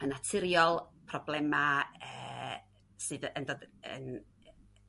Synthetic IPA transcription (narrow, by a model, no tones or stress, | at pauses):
ənatʰɪɾjɔlˠpʰrɔblˠɛmaə̰ː | sɨːðəndoːdə̰n